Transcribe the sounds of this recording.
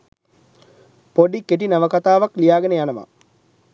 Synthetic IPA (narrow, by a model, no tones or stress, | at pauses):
poɖikeʈ̬inaʋəkat̪aːʋaklijaːɡənəjanəʋa̰